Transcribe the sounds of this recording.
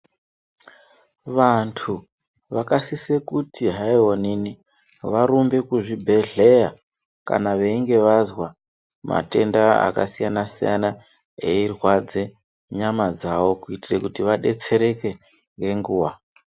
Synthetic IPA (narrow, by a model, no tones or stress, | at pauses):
ʋantʰu | ʋakasisekutiɦaionini | ʋaɾumbe̞kuʐibʱe̞ɮe̞ja | ka̰naʋe̞iŋɡe̞ʋazwa | ma̰te̞ndaa̰ka̰sijanasḭja̰na | eirwad͡ze | ɲamad͡zaʋo̞kuitirekutiʋaɗe̞t͡se̞ɾe̞ke̞ | ŋɡe̞ŋɡuːwa